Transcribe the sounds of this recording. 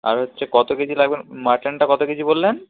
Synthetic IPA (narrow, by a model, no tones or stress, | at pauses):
a̰ɾɦotːɕʰekɔt̪okit͡ɕʰilaɡbenmaʈlenʈakɔt̪okit͡ɕʰibolːen